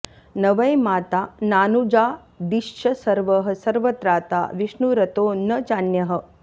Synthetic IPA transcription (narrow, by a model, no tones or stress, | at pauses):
nɐʋɐjmaːt̪aːnaːnud͡ʒaː | d̪iʃʃɐsɐɾʋɐɦɐ̆sɐɾʋɐt̪ɾaːt̪a̰ːʋiʃnuɾɐt̪oːnɐt͡ʃaːnjɐɦɐ̆